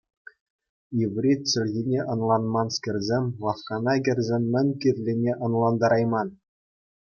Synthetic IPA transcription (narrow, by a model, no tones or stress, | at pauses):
jiʋrʲit̚ʲɕɘ̆lʲɣʲinʲeʔɤ̆nlˠɑnmɑnskʲɘ̆rʲzʲemʲlˠɑfkɑnɑɡʲɘ̆rʲzʲemʲmʲɘ̆nʲkʲirʲlʲenʲeʔɤ̆nlˠɑnd̪ɑɾɑjmɑn